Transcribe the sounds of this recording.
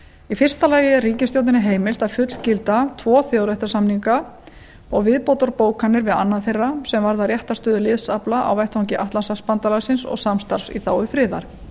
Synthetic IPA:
ifɪr̥st̪alaːjɪɛrriːcɪnst̪joːwt̪ɪnɪɦeːjmɪlt̪afʏt̪l̥cɪlt̪at̪ʰvɔːθjɔwɾɛht̪ɪ̥ɾsamniŋka | ɔɣvɪðpot̪ɔɾpoːwkʰanːɪɾvɪða̰nːaðθejrːasɛmvaɾðarjɛht̪ast̪œːðʏlɪðsaplaʔa̰wɛjht̪vawŋcɪʔaht̪lansaspant̪alasɪnsɔ̰ɣsamst̪aɾ̥sḭθaːwʏfɾɪːða̰ɾ̥

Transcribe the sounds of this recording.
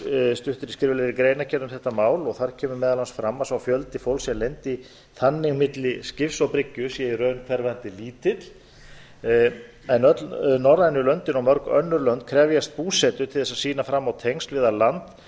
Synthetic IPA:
st̪ʏht̪ʏɾɪskɾɪɾvɪlɛɾikɾejnacʰɛnːʏmθɛht̪amaːwlɔɣθaɾ̥cʰɛːmʏmɛːðalansfɾamːasawfjœlt̪ɪfowlsjɛmlejnt̪i | θanːɪɣmɪt̪lɪscɪfsawpɾɪcːʏsjɛɛrœɥnkʰvɛɾvant̪ɪliːt̪ɪt̪l̥ | ɛnœt̪lnɔrːajnʏlœnt̪ɪnawmœɾkœ̰nːʏɾlœnt̪̚kʰɾɛvjast̪̚puːsɛt̪ʏt̪ʰɪlθɛsaðsiːnafɾamːawt̪ʰejŋst̪vɪðalant̪

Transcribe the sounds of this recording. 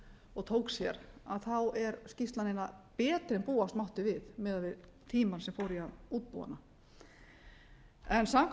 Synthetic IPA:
ɔɣt̪ʰoːwksjɛɾaðθawɛɾscist̪lanɪnːapɛːt̪ɾɛnpuːast̪mawht̪ʏvɪðmɛːðavɪðt̪ʰiːmansɛmfoːwɾiauːt̪̚pṵːa̰nːa | ɛnsamk

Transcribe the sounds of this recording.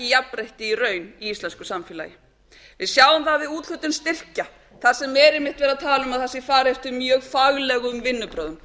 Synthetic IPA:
ɪjapɾejht̪ɪirœːɥniist̪lɛnskʏsamfɪla̰ːjɪ | vɪðsjaːwʏmθavɪðuːt̪l̥ʏt̪ʏnst̪ɪr̥ca | θasɛmːɛːɾɪmɪht̪vɛːɾat̪ʰaːlʏmaðθɛsːɪfaːɾeft̪ʏmjœːɣfaɣlɛɣʏmvɪnːʏpɾœːðʏm

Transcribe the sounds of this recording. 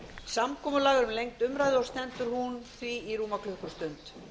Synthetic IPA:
samkʰɔːmʏlaːɣɾʏmlejŋt̪ʏmɾajðɪɔst̪ɛnt̪ʏɾ̥hunθviiɾuːmakʰlʏhkʏ̥st̪ʏnt̪

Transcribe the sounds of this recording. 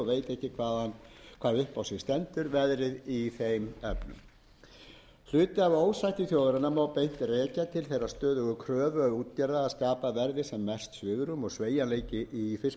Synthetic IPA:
ɔveːjt̪ɛhcɪkʰvaːðankʰaːðʏhpawsɛst̪ɛnt̪ʏɾvɛðɾɪðiθejmɛpnʏ̰m | l̥ʏːt̪ɪavoːwsajht̪ɪθjowðɾanamawpejn̥t̪rɛːcat̪ʰɪlθejɾaðst̪œːðʏɣʏkʰɾœːvœuːt̪̚caɾðaaðskaːpavɛɾðɪsɛmːɛst̪svʏːɣʏɾʏmɔɣsveːjanleːjcɪʔifɪl

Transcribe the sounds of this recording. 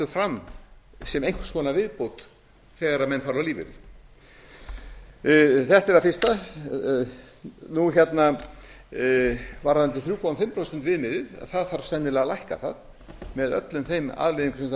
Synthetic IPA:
t̪ʏ̥fɾamː | sɛmejŋ̥kv̥skɔːnavɪðpowt̪ | θɛːɣaɾaðmɛnːfaɾaliːvɪ̰ɾɪ | θɛht̪ɛɾafɪr̥st̪a | nuçɛt̪na | vaɾðant̪ɪθɾjuːkɔwanfɪmpɾɔst̪ʏnt̪vɪðmɪðɪða̰ðθaðθaɾ̥sɛnːɪlɛːɣalajhka̰θað | mɛðœ̰t̪lʏmθejma̰ðlɪðiŋksɛm

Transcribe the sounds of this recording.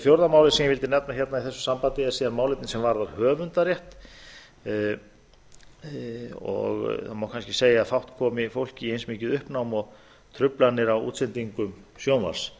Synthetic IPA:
fjowɾðamaːwlɪsinvɪlt̪ɪnɛp̚naçɛt̪naiθɛsːʏ̥sampant̪ɪɛ̥siːðanmaːwlejt̪nɪsɛmvaɾðaɾhœːvʏnt̪aɾjɛht̪ | ɔ̰ɣθamawkʰanscɪseːjaːðfawht̪kʰɔːmɪfowl̥cɪiejnsmɪːcɪðʏhpnawmɔɣ | t̪ʰɾʏplanːɪɾawṵːt̪sɛnt̪iŋkʏmsjownva̰r̥s

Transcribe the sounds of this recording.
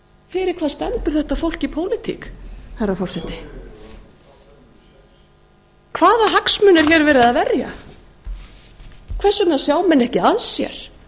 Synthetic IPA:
fɪɾɪɾ̥kʰvaːst̪ɛnt̪ʏɾ̥θɛht̪afowl̥cipʰoːwlɪt̪ʰḭkθarːafɔr̥sɛt̪ɪ | kʰvaːðaɦaksmʏːnɛɾ̥çɛɾvɛːɾɪðaðvɛrja̰ | kʰvɛsʏnasjaːwmɛnːɛhcɪaðsjɛ̰ɾ̥

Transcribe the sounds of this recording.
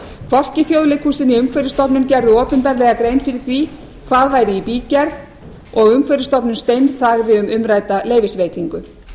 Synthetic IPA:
kʰvɔl̥cɪθjowðlɪkʰusɪniʏmkʰvɛjɾɪst̪ɔpnʏmcɛɾðʏɔːpʏnpɛɾlɛːɣakɾejnfɪɾɪɾ̥θvi | kʰvaːðvaːjɾɪipiːcɛɾð | ɔɣʏmkvɛɾɪst̪ɔpnʏmst̪ejnθaːɣðɪʏmʏmɾaːjt̪aleːjvɪsveːjt̪iŋkʏ

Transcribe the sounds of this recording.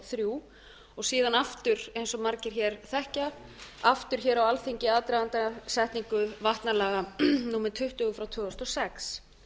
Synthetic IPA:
θɾjuː | ɔɣsiːðanaft̪ʏɾejnsɔmaɾcɪɾ̥çɛːɾθɛhca | aft̪ʏɾ̥çɛːɾawalθeɲcɪaːðt̪ɾaðant̪asɛht̪niŋkʏvaht̪nalɛːɣanuːmɪɾt̪ʰʏht̪ʏɣʏfɾawt̪ʰvʏːɔst̪ɔsɛks

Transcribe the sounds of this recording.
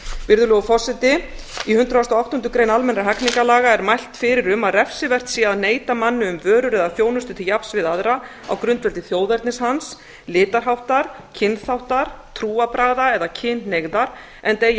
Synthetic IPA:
vɪɾðʏlɔɣʏfɔsɪt̪ɪ | ihʏnt̪ɾawst̪ɔawht̪ɔnt̪ʏkɾejnalmɛnɾaɦɛkniŋkalaːɣaɛɾmajl̥t̪fɪɾɪɾʏmaðrɛfsɪvɛr̥t̪siːaðneːjt̪amanːʏʏmvœːɾʏɾɛðaθjoːwnʏst̪ʏt̪ʰɪljapsvɪðaðɾa | a̰wkɾʏnt̪vɛlt̪ɪθjoːwðɛɾt̪nɪshans | lɪːt̪aɾ̥ɦawht̪aɾ | cʰɪnðθawht̪aɾ̥ | t̪ʰɾuːapɾaːɣðaɛðacʰɪnneɣðaɾ̥ | ɛnt̪ej

